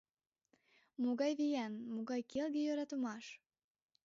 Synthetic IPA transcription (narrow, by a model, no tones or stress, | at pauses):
moɣɑjβijænmoɣɑjkelɡejøɾɑt̪əmɑʃ